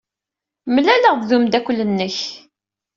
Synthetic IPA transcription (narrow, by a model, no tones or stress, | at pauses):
mlæləʁððumd̪ækʷːlənːəç